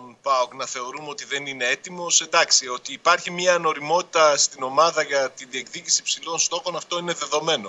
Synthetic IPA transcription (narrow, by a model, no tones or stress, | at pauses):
npɐoknɐθe̞o̞ɾumeo̞t̪iðe̞nine̞e̞t̪imo̞sed̪ɐksio̞t̪iːpɐɾçimɲɐno̞ɾimo̞t̪i̥t̪ɐst̪ino̞mɐðɐʝɐt̪iðie̞kðicisipsilo̞nst̪o̞xo̞nɐft̪o̞ine̞ðe̞ðo̞me̞no̞